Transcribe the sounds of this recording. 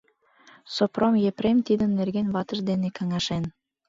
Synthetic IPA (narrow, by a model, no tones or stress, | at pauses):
sopromjepɾemt̪id̪ənːerɡenβɑt̪əʒd̪enekɑŋɑʃen